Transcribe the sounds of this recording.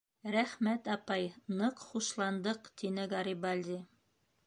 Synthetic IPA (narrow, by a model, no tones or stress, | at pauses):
ɾæχmæt̪ɑpɑjnɤqχuʃlˠɑnd̪ɤqt̪inɘɡɑɾibɑlʲd̪i